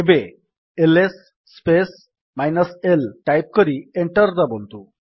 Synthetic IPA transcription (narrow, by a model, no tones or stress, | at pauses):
ebe | elesː | pes | majnɔselʈajp̚kɔɾieɳʈɔɾd̪ɔbɔnt̪u